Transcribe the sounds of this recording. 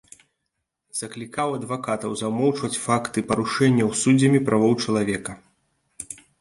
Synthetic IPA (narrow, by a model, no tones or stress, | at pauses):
z̥ɐklʲikawɐd̪vakat̪ɐwzɐwmɔwt͡ʂvɐt͡sʲfakt̪ɨpɐɾuʂɛnʲːɐwsud͡zʲɐmʲipɾʔavɔwt͡ʂɐlˠavʲɛkɐ